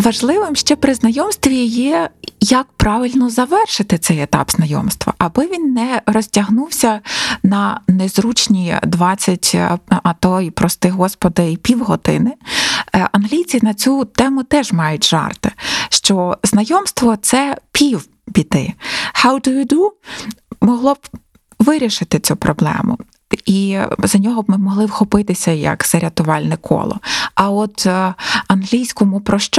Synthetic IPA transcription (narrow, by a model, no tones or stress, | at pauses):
ʋɐʒlˠɪʋɪmʃt͡ʃɛpɾɪznɐjɔmst̪ʋʲijɛjɐk̚pɾɑʋʲɪlʲnɔzɐʋɛrʃɪt̪ɪt̪sɛjet̪ɑ̰pz̥nɐjɔ̰mst̪ʋɐ̰ʔɐbɔʋʲinːɛrɔsʲtʲɐɦnuwsʲɐnɐnezɾut͡ʃnʲid̪ʋɑt͡sʲːɐtʲɐt̪ɔipɾɔst̪ɪɦɔspɔd̪ɐipʲiwɦɔt̪ɪ̰nɪ | ɐnɦlʲit͡sʲinɐt͡sʲut̪ɛmʊt̪ɛʒmɑjʊtʲʒɑ̰rt̪ɪʃt͡ʃɔznɐjɔmst̪ʋɔt̪sɛpʲiw | bʲid̪ɪ̰hawt̪ɪʋʲid̪u | mɔɦlˠɔb | ʋɪɾʲɪʃɪt̪ɪt͡sʲupɾɔblˠɛ̰mʊ̰ | izɐnʲɔɦɔbmɪmɔɦlˠɪwxɔpɪt̪ɪsʲɐjɐ̰kz̥ɐɾʲɐt̪ʊʋɑlʲnɛkʰɔ̰lˠɔ̰ɐɔt̪ | ɐnɦlʲijsʲkɔmʊpɾɔʃt͡ʃ